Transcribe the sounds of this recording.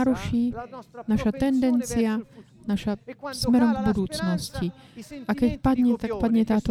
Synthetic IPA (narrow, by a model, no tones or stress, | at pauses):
ɾuʃiːnaʃat̪ɛnd̪ɛnt͡sijanaʃasmɛɾɔmɡbud̪uːt͡snosciʔakɛcpad̪ɲɛt̪akpad̪ɲɛt̪aːt̪o